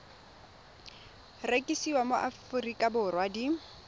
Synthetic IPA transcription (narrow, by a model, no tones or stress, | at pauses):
rekʼisiwamoʔafʊrikʼabʊrwadi